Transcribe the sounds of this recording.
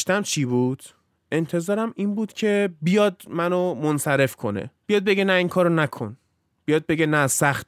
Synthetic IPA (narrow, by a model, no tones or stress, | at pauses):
ʃt̪æmt͡ʃʰibuːd̪̥ | e̞nt̪ʰe̞zɒːɾæmiːnbuːd̪̥cʰe̞bijɒːd̪mænomonsæɾe̞fkʰo̞nḛb̥ijɒːd̪̚beɡenæiŋkʰɒːɾonækʰo̰n | bijɒd̪̚be̞ɡɟenæsæxt̪